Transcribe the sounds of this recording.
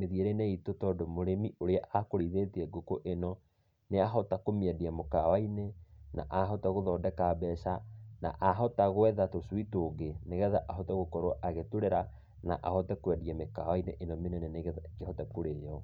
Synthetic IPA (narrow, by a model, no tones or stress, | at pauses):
meðieɾeinɛitotɔdomoɾemiʔoɾeaʔakoɾiðeteɛɡokoʔenɔ | neaɦɔtakomiɛdiamokawainena̰ʔaɦɔtaɣoðɔːdɛkabɛːʃana̰ʔaɦɔtaɣoɛðatosuitoːɡeneɣɛðaʔaɦɔtɛɣokɔɾoʔaɣetoɾeɾa | na̰ʔahɔtɛkwɛdiɛmekawaineʔenɔmenɛnɛneɡehɔtɛkoɾejɔ